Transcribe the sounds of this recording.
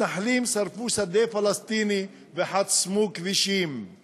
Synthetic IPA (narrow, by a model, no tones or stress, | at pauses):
aħlimsaɾfusad̪efalast̪ini | veħatsmukviʃim